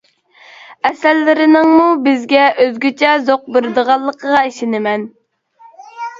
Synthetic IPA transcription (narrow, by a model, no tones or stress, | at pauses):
ɛsɛlːɪɾɪnɪŋmubɪzɡʲɛʔøzɡʲyt͡ʃʰɛzoq̚bɪɾɪd̪əʁɑlˠːəqʰəʁɑiʃɪnɪmɛn